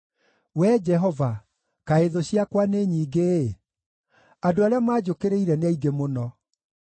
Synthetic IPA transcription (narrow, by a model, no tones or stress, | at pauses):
wɛd͡ʑɛɦɔva | kaeðoɕiakwaneɲiːɡe | adoaɾeamaːd͡ʑokeɾeiɾɛneaiɡemonɔ